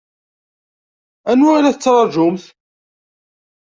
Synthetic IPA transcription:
ænwʊʕalæθət͡sːɾˤɑɾˤʒʊmθ

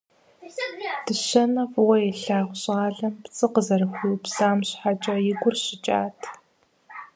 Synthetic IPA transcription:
d̥ɨɕɐnɐfwɐjɛɬaːʁʷʊɕʼaːɮɐmpt͡sʼɨqəzɐrɨxʷiwpsaːmɕħat͡ʃʼɐjɪɡʷʊrɕɪt͡ʃʼa̰ːtʰ

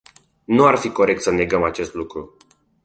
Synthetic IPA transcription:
nuarfiko̞ɾe̞k̚t̪səne̞ɡəmat͡ʃe̞st̪lukɾu

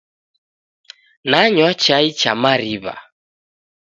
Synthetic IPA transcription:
naɲwat͡ʃait͡ʃamaɾiβa̰

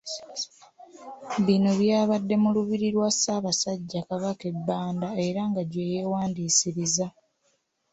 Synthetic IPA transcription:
βino̞βjaːβadːe̞muluβiɾiɾwasaːβasaɟːakaβake̞bːaːndae̞ɾaŋɡaɟwe̞ːje̞waːndiːsiɾiza

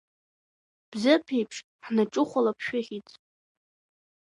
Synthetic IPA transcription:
b̥zɨpʰejpʰʂ | ħnaʈ͡ʂʼʊχʷalapʰʃᶣaχʲit͡sʼ

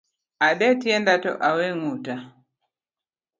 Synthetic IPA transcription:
aɗɛtiɛndatɔ̰ʔawɛŋuta

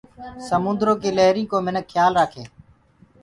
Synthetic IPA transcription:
səmʊ̃nd̪ɾoːkeːləɦɾĩːkoːmɪnəkʰːjaːlɾəːkʰeː

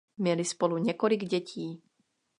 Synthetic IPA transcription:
mɲɛlɪspo̞luɲɛkolɪɡɟɛciː

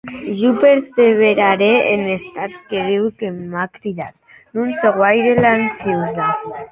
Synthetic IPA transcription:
ʒupeɾseβ̞eɾaɾeenest̪at̪̚keðiwkemakɾiðat̪ | nũnseɣwajɾelansiwza

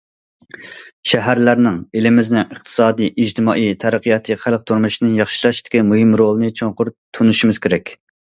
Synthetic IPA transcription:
ʃɛɦæɾlæɾnɪŋelɪmɪznɪŋəχt̪ʰɨ̥sɑːd̪ijʔid͡ʒt̪ʰɨmɑːʔijt̪ʰæɾəqʰəjɑt̪ʰɨχælˠq̚t̪ʰuɾmuʃinɨŋjɑχʃilˠɑʃt̪ɪ̥kʲimuɦɨmɾolˠɨnɨt͡ʃʰoŋqʊɾt̪ʰunuʃimɨzkʲʰeɾɛkʲ

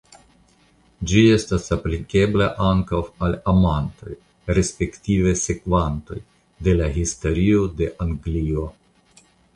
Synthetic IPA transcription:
d͡ʒie̞stasaplike̞blaʔaŋkawalamant̪o̞̰j | ɾe̞spe̞ktive̞se̞kvanto̞̰j | de̞laɦisto̞ɾio̞de̞ʔaŋɡlio̞

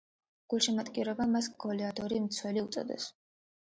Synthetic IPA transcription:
ɡ̥ulˠʃimat̪ʼkʼiɾɔbamasɡɔlɛad̪ɔɾimt̪sʰwɛliut̪sʼɔ̰d̪ɛ̰s

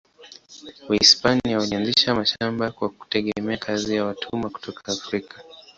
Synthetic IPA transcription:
waispaniawalianziʃamaʃambakwaku̥tɛɠɛmɛakʰazijawatʰumaku̥tʰɔkʰaːfɾikḁ

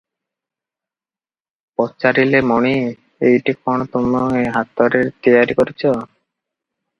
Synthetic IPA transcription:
pɔt͡ʃaɾilemɔɽ̃i | ejʈikɔɽ̃ɔt̪umɔeɦat̪ɔɾeɾt̪ijaɾikɔɾit͡ʃʰɔ

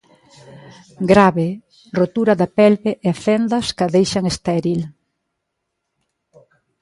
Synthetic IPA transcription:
ɡɾaβe | rot̪uɾɐðɐpɛlβeʔeafɛnd̪ɐskaðejʃɐŋest̪ɛɾil

